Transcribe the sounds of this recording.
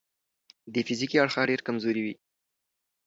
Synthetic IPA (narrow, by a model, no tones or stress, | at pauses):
d̪əfizikiaɽxaɖeɾkamzoɾiwi